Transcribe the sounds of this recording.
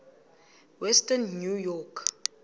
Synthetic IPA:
wɛstənːjujɔk

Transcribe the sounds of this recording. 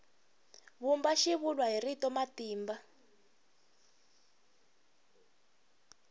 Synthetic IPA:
βumbaʃiβulwaɦiritɔmatiːmba

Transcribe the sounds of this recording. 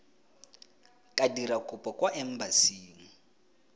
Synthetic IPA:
kʼadiɾakʼʊpʼɔkʼwaʔɛm̩basiːŋ̩

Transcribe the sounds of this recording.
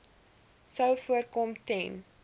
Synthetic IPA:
səwfuərkɔmtɛn

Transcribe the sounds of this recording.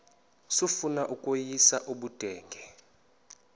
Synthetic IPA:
sufunaʔukʼojisaʔuɓud̥ʱɛːŋɡʱɛ

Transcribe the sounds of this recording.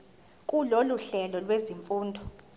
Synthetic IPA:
kʼuloluɬɛlɔlweziɱfuːndʱɔ

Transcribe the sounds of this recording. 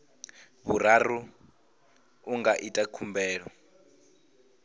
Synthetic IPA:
βuraru | ŋɡaʔitʼakʰumbɛːɺɔ

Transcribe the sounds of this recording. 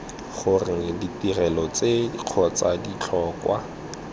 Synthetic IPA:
χʊrɪŋ̩ditirɛlɔt͡sediq͡χʰɔt͡sadit͡ɬʰɔːkwa̰

